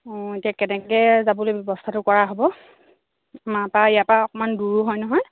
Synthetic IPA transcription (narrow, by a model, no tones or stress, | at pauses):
itijakɛnɛkɛzabɔlojbjɔbɔstʰatʊkɔɹaɦobɔ | amapaijapaɔkɔmanduɹuɦɔjnɔɦɔj